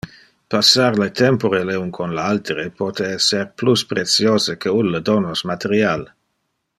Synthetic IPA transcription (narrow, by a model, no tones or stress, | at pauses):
pasːarlet̪ɛmpoɾeleunkʰonlealt̪ɾepot̪eɛsːerpluspɾesjoːzəkʰeunːəd̪onosmat̪eɾjal